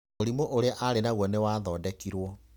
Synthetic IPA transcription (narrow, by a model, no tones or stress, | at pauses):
oɾimoʔoɾeaʔaɾenaɣwɔnewaːðɔdɛkiɾwɔ